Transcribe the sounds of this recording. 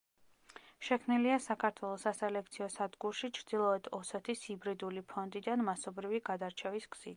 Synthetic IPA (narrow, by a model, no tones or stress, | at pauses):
ʃɛkʰmniliasakʰaɾt̪ʰwɛlˠɔsasɛlɛk̚ʰt̪sʰiɔsad̪ɡuɾʃit͡ʃʰɾd̪̥ilˠɔɛd̪̥ɔsɛt̪ʰishibɾid̪ulipʰɔnd̪id̪anmasɔbɾiviɡad̪aɾt͡ʃʰɛvisɡz̥it̪ʰ